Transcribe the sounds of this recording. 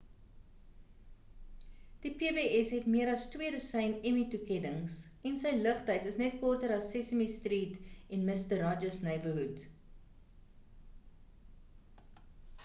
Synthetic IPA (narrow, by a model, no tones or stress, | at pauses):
d̥ipeːbeːɛsɦɛtmiəɾɐstwiədusɛjnɛmitukɛdəŋsɛnsəjləχtəjtəsnɛt̚kɔrtəɾɐsːɛsəmistriːtɛnməstərɑd͡ʒəsnəjbəɦut